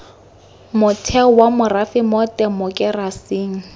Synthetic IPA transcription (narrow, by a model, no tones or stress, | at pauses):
mʊtʰɛwamʊrafɪmɔtʼɛmʊkʼɪrasiːŋ̩